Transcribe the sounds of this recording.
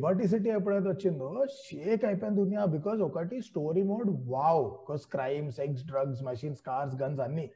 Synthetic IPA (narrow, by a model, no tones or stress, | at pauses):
baʈ̬is̬iʈiep̬ɽãt̪ət͡ɕind̪oɕekãj̃pãnd̪unijabikɔzokaʈisʈoɾimoɖʋawbkɔzkɾajmseks̬ɖɾəɡzməɕiːnskaɾsɡənd͡zanːiː